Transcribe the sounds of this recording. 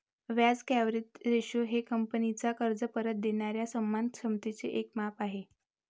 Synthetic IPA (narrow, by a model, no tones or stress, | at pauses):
ʋjad͡zkæʋɾit̪ɾeɕoɦekəmpənit͡sakəɾd͡zəpəɾət̪̚d̪eɳ̃aɾjasəmːankʂəmt̪it͡seʔekmapaɦe